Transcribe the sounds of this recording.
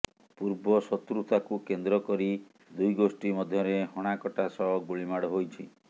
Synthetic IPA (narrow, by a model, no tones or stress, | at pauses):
puɾbɔsɔt̪ɾut̪ʰakukend̪ɾɔkɔɾi | d̪ujɡosʈimɔd̪ʱjɔɾehɔɽ̃akɔʈasɔɡuɭimaɽɔɦojt͡ʃʰi